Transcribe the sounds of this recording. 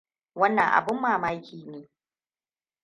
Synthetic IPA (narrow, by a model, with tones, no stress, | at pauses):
wɐ˦nːɐ˨ŋʔa̰˨bʊ˦mːaː˨maː˦jkʲiː˨neː˨